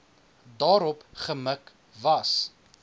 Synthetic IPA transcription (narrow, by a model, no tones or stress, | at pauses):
dɑːɾɔpχəmək | vɐs